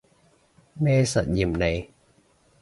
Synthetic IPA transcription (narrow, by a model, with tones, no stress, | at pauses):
meː˧sa˨˩t̪̚ji˨˩mna˧˦j